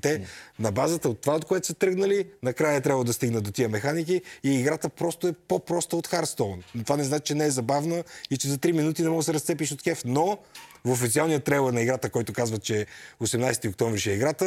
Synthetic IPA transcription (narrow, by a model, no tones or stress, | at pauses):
t̪ɛnɐbazət̪əot̪ːovaot̪̚koɛt̪o̥sɐt̪ɾɤɡnəlinɐkɾajət̪ɾʲabəlˠd̪ɐst̪iɡnəd̪ot̪iəmɛxanik̬iːɡɾat̪əpɾɔst̪oɛpopɾɔst̪əot̪xaɾst̪ɔnt̪ovanɛznat͡ʃt͡ʃɛnɛɛzɐbavnəit͡ʃɛzɐt̪ɾiminut̪inɛmɔɡ̪sɛɾɐst̪sɛpiʃot̪xɛfnovofit̪sialˠnijət̪ɾɛlˠənɐiɡɾat̪əkɔjt̪okazvət̪̚t͡ʃɛosɛmnajst̪ʲiok̚t̪ɔɱvɾiʃɛiɡɾat̪ə